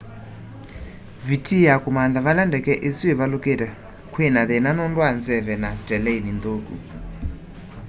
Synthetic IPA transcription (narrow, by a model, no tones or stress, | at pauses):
vitʰijakumand̪aβalandɛkɛʔesiɛβalukʼɛta | kʰwɛnaðɛnanɔndwand͡zɛvɛnatʼɛlɛinind̪oːkṵ